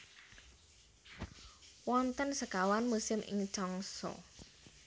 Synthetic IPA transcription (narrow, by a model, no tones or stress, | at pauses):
wɔnt̪ənsəkawanmusɪmʔɪ̰ŋt͡ʃɔŋsɔ̰